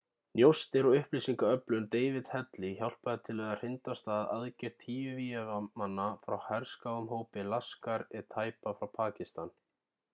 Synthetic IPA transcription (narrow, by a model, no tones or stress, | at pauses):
njowst̪ɪɾɔʏhpliːsiŋkaœplʏnt̪eːjvɪt̪hɛt̪liçawl̥paðɪt̪ʰɪlvɛðar̥ɪnt̪ast̪aːða̰ðcɪr̥t̪ʰhiːjʏviɛvamanːafɾawhɛɾ̥skawʏmɦoːwpɪlaskaɾɪt̪ʰaːjpafɾawpʰaːcɪst̪an